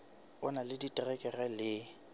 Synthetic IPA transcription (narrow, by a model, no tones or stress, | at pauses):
ʊnalɪditʼrɛkʼɛrɛlɪ